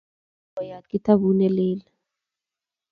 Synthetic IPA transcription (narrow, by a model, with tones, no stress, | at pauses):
ɔ˨ja˨kʼi˦ta˦βu˦nɛ˦lɛːla